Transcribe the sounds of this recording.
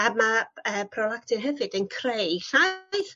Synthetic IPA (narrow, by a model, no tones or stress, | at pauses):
amaəːpʰrɔlˠaktʰɨrɦəvɨdənkʰrejɬajθ